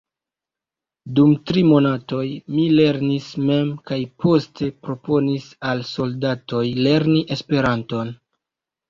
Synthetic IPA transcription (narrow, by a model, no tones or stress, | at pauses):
dumtɾimo̞nato̞jmile̞ɾnisme̞mkajpʰo̞ste̞pɾo̞po̞nisalso̞ldato̞jle̞ɾniʔe̞spe̞ɾanto̞n